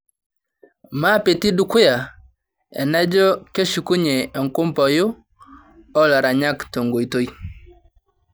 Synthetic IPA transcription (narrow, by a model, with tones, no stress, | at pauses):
ma˦pe˨ti˦du˦kʊ˦ja˨ | ɛ̰˨na˦d͡ʒɔ˦ke˦ʃu˨ku˦ɲe˨ɔ˨ŋkʊ˦mpɔ˨jʊ˦ | ɔ˦la˨ɾa˨ɲa˦kto˨ŋɡo˨i˨to˦i˦